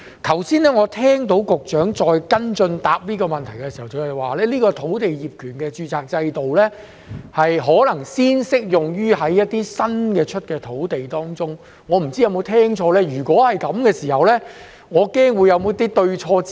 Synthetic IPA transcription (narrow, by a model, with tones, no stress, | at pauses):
t̪ʰɐ˨˩wsiː˥nlɛː˥ŋɔː˨˧t̪ʰɛː˥ŋt̪o˨˥wkʊ˨k̚t͡ʃœː˨˥ŋt͡sɔː˧jkɐ˥nt͡ʃɵ˧nt̪a̰ː˨p̚liː˥kɔː˧mɐ˨nt̪ʰɐ˨˩jkɛ˧si˨˩hɐ˨˩wkʰɵ˨˧hɐ˨˩jwaː˨lɛː˥liː˥kɔː˧t̪ʰo˨˥wt̪e˨jjiː˨p̚kʰyː˨˩nkɛː˧t͡ʃyː˧t͡saː˨k̚t͡sɐ˧jt̪o˨wlɛː˥ | hɐ˨jɦɔː˨˥lɐ˨˩ŋsiː˥nsɪ˥k̚jʊ˨ŋjyː˥ɦɐ˨˥jːɐ˥t̪̚ːiː˥sɐ˥nkɛː˧t͡ʃʰɵ˥t̚kɛː˧t̪ʰo˨˥wt̪e˨jt̪ɔː˥ŋt͡sʊ˥ŋ | ŋɔː˨˧m̩˨˩t͡siː˥jɐ˨˧wmo˨˧wt̪ʰɛː˥ŋt͡ʃʰɔː˧lɛː˥jyː˨˩kʷɔː˨˥hɐ˨jkɐ˨˧mkɛː˧siː˨˩hɐ˨wlɛː˥ | ŋɔː˨˧kɛː˥ŋwuː˨˧jɐ˨˧wmo˨˧˥t̪iː˥t̪ɵ˧ɥt͡ʃʰɔː˧